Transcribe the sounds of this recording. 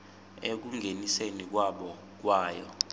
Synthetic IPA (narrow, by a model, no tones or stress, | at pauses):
ek̬uŋʱenisenik̬waɓɔ | k̬waːjɔ